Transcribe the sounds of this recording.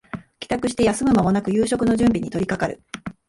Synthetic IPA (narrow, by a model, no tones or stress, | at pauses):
kʲi̥t̪akɯ̟ɕi̥t̪e̞jasɨmɯ̟mamo̞nakɯ̟jɯːɕo̞kɯ̟no̞ʑɨ̃mbʲiɲ̟it̪o̞ɾʲikakaɾɯ̰